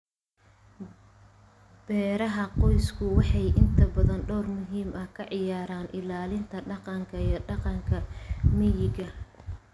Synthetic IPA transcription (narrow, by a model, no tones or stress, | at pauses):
b̥ɛːɾɐɦɐqɔjskʰʊwɑħɑjʔɪnt̪ʰɐbɐðɐnɖɔːrmʊɦiːmɐhkʰɐʕɪjaːɾaːnʔɪlaːlɪnt̪ʰɐɖɑqɑŋkʰɐiɔɖɑqɑŋkʰɐmɪjɪɡɐ